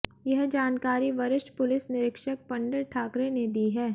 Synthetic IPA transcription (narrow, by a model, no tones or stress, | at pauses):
jɐɦd͡ʒaːnkaːɾiʋɐɾɪʃʈpʊlɪsnɪɾɪkʃək̚pɐ̃ɳɖəɾʈʰaːkɾened̪iːɦɛː